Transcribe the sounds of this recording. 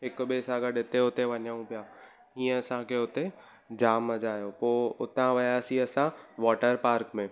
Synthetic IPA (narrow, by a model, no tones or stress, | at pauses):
ɦɪkʊɓesaːɡəɗɪt̪eʊt̪eʋɐɲaũpijaː | ɦĩːə̃ɐsãkʰeʊt̪e | d͡ʑaːmɐd͡ʑaːɦijopoːʊt̪ãʋɐjaːsĩɐsãʋɔːʈəɾpaːɾkmẽː